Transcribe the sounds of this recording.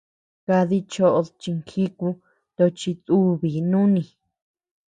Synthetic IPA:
ka˧ði˦t͡ʃo˦ʔo˧t͡ʃi˧ŋkʰi˦ku˧ | t̪o˧t͡ʃi˧tu˦βi˨nũ˦nĩ˧˨

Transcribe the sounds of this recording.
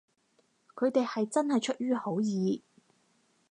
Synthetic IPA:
kʰɵ˨˧ɥt̪e˨jhɐ˨jt͡sɐ˥nhɐ˨jt͡ʃʰɵ˥t̚ɥyː˥ho˨˥wjiː˨˧

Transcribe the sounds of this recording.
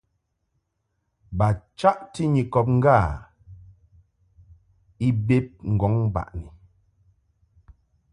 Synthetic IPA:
ba˨t͡ʃa˦ʔti˦ɲi˨kɔ˨p̬̚ŋ̩˦ɡa˦˨ | i˦be˦p̚ŋ̩˨ɡɔ˨˦ŋba̰˨ʔni˨

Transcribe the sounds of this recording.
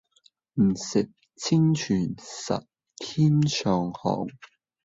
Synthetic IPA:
m̩˨˩sɪ˨k̚ | t͡sʰɪ˥ŋt͡ʃʰyː˨˩nsɐ̰˨t̚ | t̪ʰiː˥nsʰœː˨ŋhɔ̰ː˨˩ŋ

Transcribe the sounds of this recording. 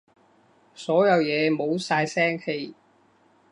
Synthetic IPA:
sɔː˨˥jɐ˨˧wjɛː˨˧mo˨˧wsaː˧jsɛː˥ŋhe˧j

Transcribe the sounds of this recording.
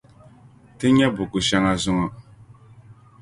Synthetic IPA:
te˦ɲa˦bu˨ku˨ʃa˦ŋa˦zu˦ŋɔ˦

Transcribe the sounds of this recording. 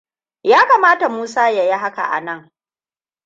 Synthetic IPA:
jaː˦kaː˨maː˦ta˨muː˦saː˦ja˨ji˦ɦa˦ka̰˨ʔa̰˨nɐ˦˨ŋ

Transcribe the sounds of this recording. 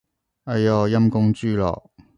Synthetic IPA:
ɐ˨jɔː˨˩jɐ˥mkʊ˥ŋt͡ʃyː˥lɔ̰ː˨k̚

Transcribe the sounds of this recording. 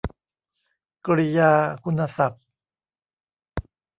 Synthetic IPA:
kɾi˧jaː˧kʰu˧nha˧sa˨˩p̚

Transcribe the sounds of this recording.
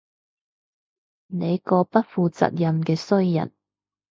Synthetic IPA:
ne˨˧jkɔː˧pɐ˥t̚fuː˨˧t͡sɐ̰˨t̚jɐ˧mkɛː˧sɵ˥ɥjɐ̰˨˩n

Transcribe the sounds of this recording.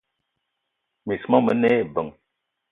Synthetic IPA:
mi˨smɔ˦mə˨˦ne˦˨bə˨ŋ

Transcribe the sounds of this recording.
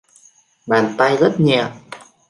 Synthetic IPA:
ɓaː˨˩nt̪a˧jzə˦˥t̚ɲɛ̰˧˨ʔ

